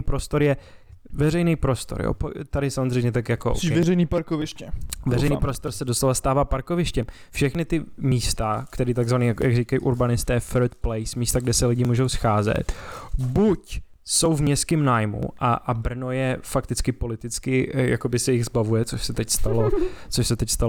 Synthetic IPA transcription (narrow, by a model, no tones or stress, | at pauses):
pɾo̞st̪o̞ɾjɛvɛɾɛjnijpɾo̞st̪o̞̰ɾjo̰po̰t̪adɪsamozr̝ɛjmɲɛt̪akjakoʔɛrɛjniːpaɾkovɪʃcɛvɛɾɾɛjnipɾost̪o̞ɾsɛdo̞slovast̪aːvaːpaɾkovɪʃcɛm | fʃɛxnɪt̪ɪmiːst̪akt̪ɛɾiːt̪aɡzvaniːjakojaɡriːkajʔuɾbanɪst̪ɛːfɛɾt̪̚plɛjsmiːst̪aɡdɛsɛlɪɟɪmuːʒowsxaːzɛ̰t̪buc | so̞wvmɲɛst̪kɪːmnaːjmṵʔaʔabr̩no̞jɛfakt̪ɪt͡skɪpo̞lɪt̪ɪt͡skɪja̰ko̞bɪsɛjɪɣzbavujɛt͡soʃsɛt̪ɛcst̪alot͡soʃsɛt̪ɛcst̪alo